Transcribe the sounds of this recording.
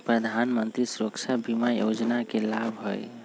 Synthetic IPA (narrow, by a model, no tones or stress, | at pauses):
pɾəd̪ʱanmənt̪ɾisɾokt͡ʃabimajod͡ʒnakelabʱɦo̰j